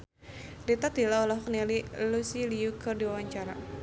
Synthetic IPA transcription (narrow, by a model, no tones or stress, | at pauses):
lit̪at̪ilaulɔɦknalilusiliukɨrdiwawaɲt͡ʃaɾa